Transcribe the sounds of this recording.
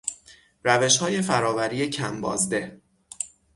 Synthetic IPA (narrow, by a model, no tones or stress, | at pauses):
ɾæve̞ʃhɒːje̞fæɾɒːvæɾiːjecʰæ̰mbɒ̰ːzd̪e̞